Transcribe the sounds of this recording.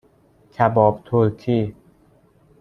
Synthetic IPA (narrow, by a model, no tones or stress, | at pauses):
cʰæbɒːbt̪ʰolkʰiː